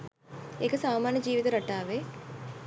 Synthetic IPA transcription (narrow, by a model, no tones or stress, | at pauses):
ekəsaːmaːnjəd͡ʒiːʋit̪uɾaʈaːʋe